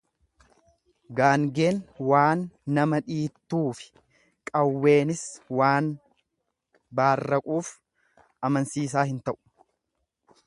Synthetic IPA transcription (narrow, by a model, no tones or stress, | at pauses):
ɡaːŋɡe̞ːnwaːnːɐmɐᶑiːt̪ːuːfɪ̥ | kʼɐwːe̞ːnɪswaːn | baːrːɐkʼuːf | ɐmɐnsiːs̬aːhɪnt̪ɐʔʊ̥